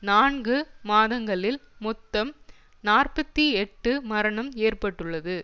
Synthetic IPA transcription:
naːɳɡɯmaːðɐŋɡɐɭɪlmɔt̪ːɐm | naːrpɐt̪ːiɛʈːɯmɐɾɐɳɐmeːrpɐʈːɯɭːɐðɯ

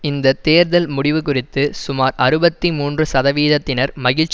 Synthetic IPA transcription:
ɪnd̪ɐt̪eːɾðɐlmʊɽɪʋɯkʊrɪt̪ːɯsʊmaːɾɐɾɯbɐt̪ːimuːndrɯsɐðɐʋiːðɐt̪ːɪnɐɾmɐɣɪɻt͡ʃ

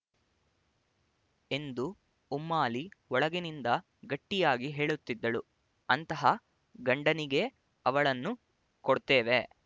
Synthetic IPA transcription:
e̞nd̪u | umːaːliɔɭɐɡenind̪ɐ | ɡɐʈːijaːɡiɦe̞ːɭut̪ːid̪ːɐɭu | ɐnt̪ɐɦɐ | ɡɐɳɖɐniɡe̞ | ɐʋɐɭɐnːu | koɽt̪eːʋe̞

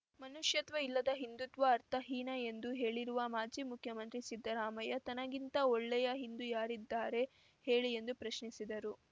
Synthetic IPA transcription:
mɐnuʂjɐt̪ʋɐilːɐd̪ɐɦind̪ut̪ʋɐːɾt̪ʰɐɦiːnɐe̞nd̪uɦe̞ːɭiɾuʋɐmaːd͡ʒiːmukʰjɐmɐnt̪ɾisid̪ːɐɾaːmɐjɐt̪ɐnɐɡint̪ɐɔɭːɛjɐɦind̪ujaːɾid̪ːaːɾe̞ | he̞ːɭiend̪upɾɐʃɳisid̪ɐɾu

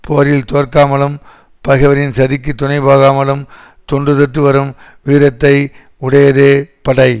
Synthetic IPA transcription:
poːɾɪlt̪oːɾkaːmɐlɯm | pɐɣɐʋɐɾɪnsɐðɪk̬ːɯt̪ːʊnɐɪbaːɣaːmɐlɯm | t̪ɔɳɖɯðɛʈrɯʋɐɾɯm | ʋiːɾɐt̪ːɐɪ | ʊɽɐjɐðeːpɐɽɐɪ

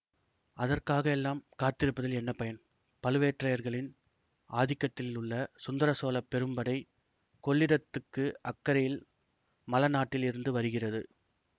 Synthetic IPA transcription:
ʔɐðɐrkaːɣɐɛlːaːmkaːt̪ɪɾɯpːɐðɐlɛnːɐpɐjɐn | pɐlɯʋeːʈrɐjɐɾɣɐɭɪn | ʔaːðɪkːɐt̪ːɪlɪlʊɭːɐsʊnd̪ɐɾɐsoːlɐpːɛɾɯmbɐɽɐɪ | kɔɭːɪɾɐt̪ːɯkːɯɐkːɐɾɐjɪl | mɐlɐnaːʈːɪlɪɾɯnd̪ɯʋɐɾɯɣɪrɐðɯ

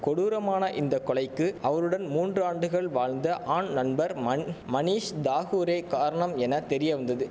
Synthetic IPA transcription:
kɔɽuːɾɐmaːnɐʔɪnd̪ɐkːɔɭɐɪkːɯɐʋɐɾɯɽɐnmuːndraːɳɖɯɣɐɭʋaːɻnd̪ɐʔaːɳnɐnbɐɾmɐniːʂd̪aːɣuːɾeːkaːɾɐɳɐmɛnɐt̪ɛɾɪjɐʋɐnd̪ɐðɯ

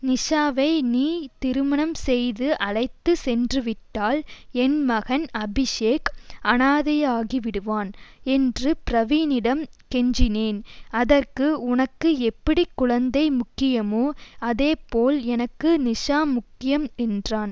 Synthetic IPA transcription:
nɪʂaːʋɐɪniːt̪ɪɾɯmɐɳɐmsɛjðɯʔɐɭɐɪt̪ːɯsɛndrɯʋɪʈːaːlɛnmɐɣɐnɐbɪʂeːkɐnaːðɐjaːɣiʋɪɽɯʋaːnɛndrɯpɪɾɐʋiːnɪɽɐmkɛɲd͡ʒɪneːnɐðɐrkɯʊnɐkːɯɛpːɐɽikːʊɻɐnd̪ɐɪmʊkːɪjɐmoːɐðeːpoːlɛnɐkːɯnɪʂaːmʊkːɪjɐmɛndraːn

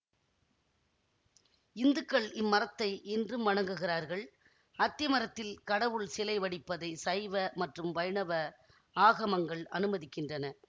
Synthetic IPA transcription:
ɪnd̪ɯkːɐɭɪmːɐɾɐt̪ːɐɪʔɛndrɯmʋɐɽɐŋɡɯɣɪraːɾɣɐɭ | ɐt̪ːɪjɐmɐɾɐt̪ːɪlkɐɽɐʋɯɭsɪlɐɪʋɐɽɪpːɐðɐɪsɐɪʋɐmɐʈrɯmʋɐjɳɐʋɐ | aːɣɐmɐŋɡɐɭɐnɯmɐðɪkːɪndrɐnɐ

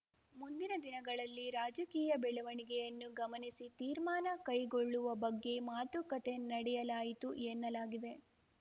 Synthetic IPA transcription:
mund̪inɐd̪inɐɡɐɭɐlːiɾaːd͡ʒɐkiːjɐbɛɭɛʋɐɳiɡɛjɐnːuɡɐmɐnisit̪iːɾmaːnɐkɐjɡoɭːuʋɐbɐɡːe̞maːt̪ukɐt̪e̞nɐɽɛjɐlaːjit̪uɛnːɐlaːɡid̪e̞

